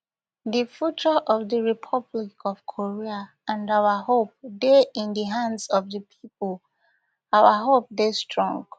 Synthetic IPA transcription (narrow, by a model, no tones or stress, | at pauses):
difjut͡ʃəʔɔvdəɹipʰɔblikʰɔv̥kʰoɹia | ãnawahop̚deĩndəɦãndsɔvðəpʰip̚ɔl | awaɦop̚destʰɹɔ̃ŋɡ